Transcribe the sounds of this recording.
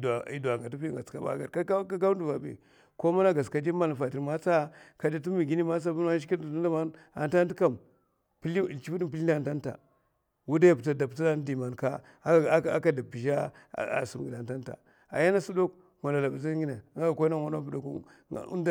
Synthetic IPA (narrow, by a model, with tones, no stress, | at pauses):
a˨ḭ˨˦du˨a˨ŋɡa˨tu˦pi˦ŋ˨ɡa˨t͡ska˦ba̰˦ɡa̰˨ka˦ɡa˦u˦n˦du˨va˨bḛ˨ | ko˦ma˦na˦ɡa˨ska˨d͡ʒi˦ma˦la˨fa˨ti˨ɾma˦t͡sa˦ka˨d͡ʒi˦t̬u˦mi˨ɡi˦ni˦ma˦t͡sa˦pu˦n˦a˦ʃi˦ki˦˨u˦n˦da˦ma˦n | a̰˨nta˦n˦ti˦ka˦˨m | pi˦li˦ḭ˨lt͡ʃi˦pi˦di˦mp̬i˦li˦na˨n˨ta˦nta̰˨ | wu˦da˦ja˨pta˨da˨pta˦na˦n˦di˨ma˨nka˦˨˦ | a̰˦ka˨da˨bi˨d͡ʒa̰˦˨ | a̰˨su˨m˨ɡi˨da˨nta˦nta̰˨ | a̰˨ja˦na˦su˦do˦k | wa˨na˨la˨ba˨za˦ɡi˦na˨˦a˦ɡa˨ko˦na˦ŋʷa˨na˦pu˦do˨kṵ˦˨ | ṵ˦nda˦